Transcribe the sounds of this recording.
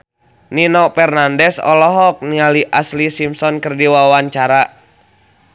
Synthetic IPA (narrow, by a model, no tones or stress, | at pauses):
ninɔpɛrnandɛsɔ̰lɔɦɔk̚nialiʔaslisimsɔnkərdiwawaɲt͡ʃaɾa